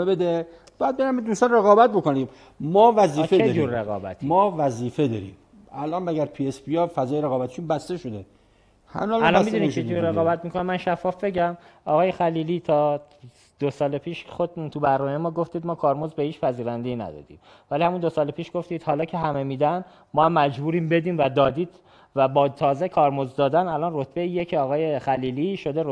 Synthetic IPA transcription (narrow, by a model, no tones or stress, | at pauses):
bed̪e | bjæd̪̚beɾæmed̪ust̪ɒnreɣɒːbæt̪̚bokonim | mɒːvæziːfeed͡ʒuːɾːeɣɒ̰ːbæ̰t̪ʰimɒːvæziːfed̪ɒːɾḭːm | ælʔɒːnmæɡæɾpʰiespʰiɒfæzɒːjeɾeɣɒːbæt̪ʰi̥ʃunbæst̪eʃod̪e | hæ̰mːlælɒnmid̪unit͡ʃʰed͡ʒuɾeɣɒːbæt̪mikʰonemænʃæfːɒːfbe̞ɟæmɒɣɒːjexæliːlit̪ʰɒː | d̪̥osɒːlepʰiːʃxod̪t̪ʰubæɾnɒːmejemɒːɡoft̪iːd̪mɒːkʰɒːɾmozbehiːt͡ʃpʰæziːɾænd̪eiːnæ̰d̪ɒ̰d̪ḭːm | vælihæmund̪o̞sɒːlepʰiːʃɡ̥oft̪iːd̪̥hɒːlɒːcʰe̞ɦæmemiːd̪æn | mɒːhæmːæd͡ʒbuːɾiːmbe̞d̪iːmvæd̪ɒːd̪iːd̪̥ | væbɒːt̪ʰɒːzekʰɒːɾmozd̪ɒːd̪ænælɒnrot̪ʰbeijecʰeɒːɣɒːjexæliːliʃo̞d̪eɾ